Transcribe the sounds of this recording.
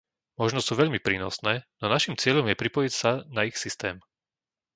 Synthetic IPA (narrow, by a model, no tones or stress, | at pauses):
mɔʒnɔsuːʋɛʎmipɾiːnɔ̰snɛːnɔnaʃimt͡sɪɛʎɔmjɛpɾipɔjicsanaixsist̪ɛːm